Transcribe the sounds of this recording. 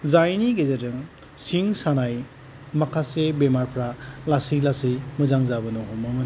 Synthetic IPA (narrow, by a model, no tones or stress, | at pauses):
zajniɡezedɯŋ | siŋsanaj | makʰasebemaɾpʰɾalasilasijmɯzaŋzabɯnɔɦɔmɔŋɯn